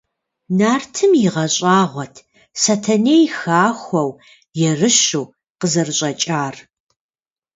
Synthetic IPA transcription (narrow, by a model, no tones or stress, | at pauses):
naːrtʰɨmjɪʁɐɕʼaːʁʷɔtʰ | satʰɐneːjxaːxʷɔw | jɛrɨɕuː | qəzɐrɨɕʼɐt͡ʃʼaːr